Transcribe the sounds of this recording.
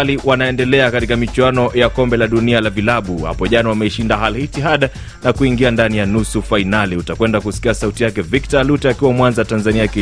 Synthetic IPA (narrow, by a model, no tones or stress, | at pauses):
liwanaɛndɛlɛakatikamit͡ʃuanɔjakɔmbɛlaɗunialavilaɓuha̰pɔʄanawamɛiʃindaɦalihitiɦaɗa | nakuiŋɡiandanijanusufainaliutakwɛndakusi̥kiasautijakɛviktalutɛakiwamwanzatanzaniaki